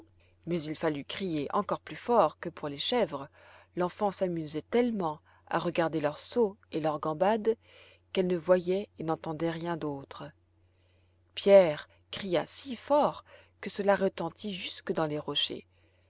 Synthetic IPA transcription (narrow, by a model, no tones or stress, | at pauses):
mɛzilfalykχijeʔɑ̃kɔʁplyfɔʁkəpuʁleʃɛvʁə | lɑ̃fɑ̃samyzɛt̪ɛlmɑ̃ | a̰ʁəɡaʁd̪elœʁsoelœʁɡɑ̃bad̪ | kɛlnəvwajɛenɑ̃t̪ɑ̃d̪ɛʁjɛ̃d̪ot̪χə | pjɛʁ | kχija̰sifɔʁ | kəsəlaʁət̪ɑ̃t̪ʰiʒyskəd̪ɑ̃leʁɔʃḛ